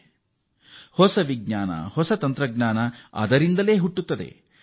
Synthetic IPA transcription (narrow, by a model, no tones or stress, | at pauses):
hɔsɐʋiɡɲaːnɐ̰hɔsɐt̪ɐnt̪ɾɐɡɲaːnɐɐ̰d̪ɐɾind̪ɐle̞ːɦuʈːut̪ːɐd̪e̞̰